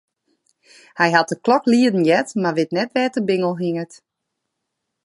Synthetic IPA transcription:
hɛjɦat̚əklɔkliədən̩jɛtmaʋɪtnɛtʋɛːtəbɪŋəlˠɦiŋət

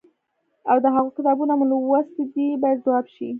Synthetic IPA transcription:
awd̪əɦaɣokɪt̪ɑbunamulowast̪id̪ibɑjad̪zawɑbʃi

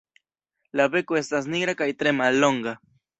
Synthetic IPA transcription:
laβekoest̪as̬niɣɾakajt̪ɾemaloŋɡa

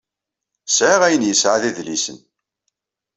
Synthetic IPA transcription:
sʕaʁæjənjəsʕaðiðlisən

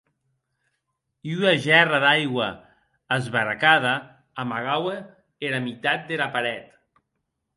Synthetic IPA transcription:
iyaʒɛraðajɣwaː | zβaɾakaðaː | maɣawe | eɾamit̪at̪̚d̪eɾapaɾɛt̪

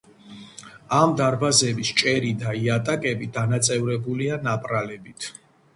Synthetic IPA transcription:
amd̪aɾbazɛbist͡ʃʼɛɾid̪aiat̪ʼakʼɛbid̪anat̪sʼɛvɾɛbulianapʼɾalɛbit̪ʰ

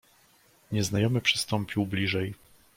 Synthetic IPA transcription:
ɲɛznajɔmɘpʂɘ̥st̪ɔmpʲiwblʲiʐɛj

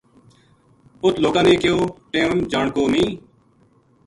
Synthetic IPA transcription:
ʊt̪ʰloːkãːnẽːkɪjoːʈeːmmd͡ʒaːɳkoːmĩː

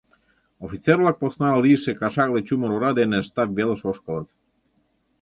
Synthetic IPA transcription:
ofit͡seɾvlˠɑk̚posnɑliəʃekɑʃɑɣlˠet͡ɕuməɾuɾɑd̪eneʃt̪ɑpvelə̆ʃoʃkəlˠət̪

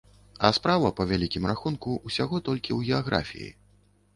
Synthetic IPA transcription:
ɐspɾavɐpɐvʲalʲikʲimraxunkuʔusʲaɣɔt̪ɔlʲkʲiwɣʲɛaɣɾa̰fʲḭjḭ

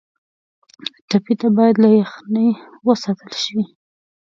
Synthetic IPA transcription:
ʈapit̪abɑjad̪lajaxnəj | wəsat̪əlʃwi

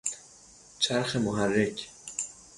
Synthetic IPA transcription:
t͡ʃʰæɾxemoɦærːecʰ

